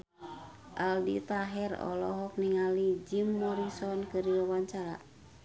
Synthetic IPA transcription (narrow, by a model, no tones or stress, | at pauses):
ʔaldḭt̪aɦɛrɔ̰lɔɦɔk̚niŋalid͡ʒimːɔɾisɔnkɨɾiwawaɲt͡ʃaɾa